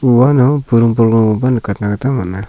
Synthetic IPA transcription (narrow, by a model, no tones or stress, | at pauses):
uwanɔpuɾuŋpɔlɡɔubankatnakatamɔna